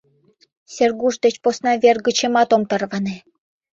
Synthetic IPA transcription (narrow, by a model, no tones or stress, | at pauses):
sʲerɣuʃd̪et͡ɕposnɑβʲerɣə̆t͡ɕemɑt̪omt̪ərβɑne